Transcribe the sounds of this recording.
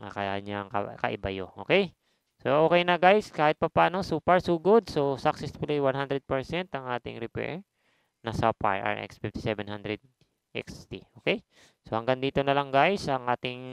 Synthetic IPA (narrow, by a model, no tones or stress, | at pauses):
a̰kɐjaɲaŋkɐ̰kɐ̰ʔɪ̰bɐjo̰ʔo̞ːkɛj | soʔoːkɛjnɐɡajskaːhɪt̪̚pɐpaːnosuːpɛɹsuːɡod̪̚so̞sɐk̚sɛsfʊlijwanɦand̪ɾɛd̪̚pɛɹsɛnt̪ɐŋʔaːt̪ɪ̰ŋɾɪpɛ̰ɹ | nɐsɐpa̰ɹʔa̰ɹʔɛ̰ksfift̪ɪ̥sɛvɛnhand̪ɾɛd̪̚ | ʔɛ̰kst̪iʔoːkɛj | so̞hɐŋɡɐŋd̪iːt̪onɐlɐŋɡajsɐŋʔaːt̪ɪŋ